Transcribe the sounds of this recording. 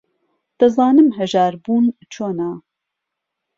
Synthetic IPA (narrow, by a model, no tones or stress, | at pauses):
t̪ɐzɑːnɨmɦɛʒaːɾbuːnt͡ʃʰoːna